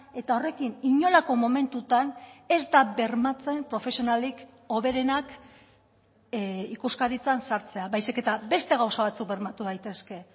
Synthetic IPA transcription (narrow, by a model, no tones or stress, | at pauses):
e̞t̪ao̞re̞kiniɲo̞lako̞mo̞me̞nt̪ut̪ane̞zd̪abe̞ɾmat͡se̞mpɾo̞fe̞sio̞nalik | o̞βe̞ɾe̞nak | ikuskaɾit͡sansaɾt͡se̞aβajsike̞t̪abe̞st̪e̞ɣ̞awsaβat͡suk̚be̞ɾmat̪uðajt̪e̞ske̞